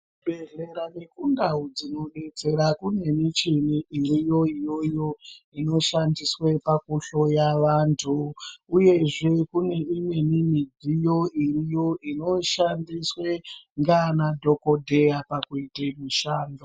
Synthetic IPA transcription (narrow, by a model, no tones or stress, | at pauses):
bʱe̞ɮeɾane̞kundaud͡zino̞ɗe̞t͡se̞ɾakune̞mit͡ʃiniiɾijo̞ijo̞jo̞ | ino̞ʃandiswepakuɬo̞jaʋaːntʰuuje̞ʐe̞kune̞imwe̞nimid͡zʱijo̞iɾijo̞ʔino̞ʃandiswe̞ŋɡanadʱo̞ko̞dʱe̞apakuitemuʃaːndo